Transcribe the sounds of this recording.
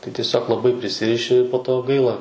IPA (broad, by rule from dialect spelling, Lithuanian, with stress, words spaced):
tɐɪ tʲiɛˈsʲoːk lˠɐˈbɐɪ pʲrʲɪˈsʲɪrʲɪʃʲɪ poː ˈtoː ˈɡɐɪlˠɐ